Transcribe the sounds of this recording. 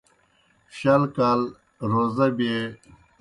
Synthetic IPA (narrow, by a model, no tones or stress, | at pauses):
ɕɐlkaːl | ɾoːzɐbe